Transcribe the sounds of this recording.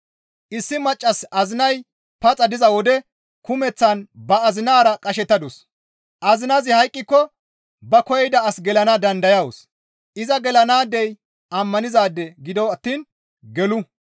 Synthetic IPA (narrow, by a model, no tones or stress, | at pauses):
ʔɪsːɪmɐt͡ʃʼːɐsɐzɪnɐj | pɐt͡sʼːɐd̪ɪzɐwɔd̪ɛ | kʊmɛt͡sːɐnbɐːzɪnaːɾɐkʼɐʃɛt̪ːɐd̪ʊs | ʔɐzɪnɐzɪhɐjkʼːɪkːɔ | bɐkɔjɛjd̪ɐːsɡɛlɐnɐd̪ɐnd̪ɐjɐwʊs | ʔɪzɐɡɛlɐnaːd̪ɛj | ʔɐmːɐnɪzaːd̪ːɛɡɪd̪ɔwɐt̪ːiːn | ɡɛlʊ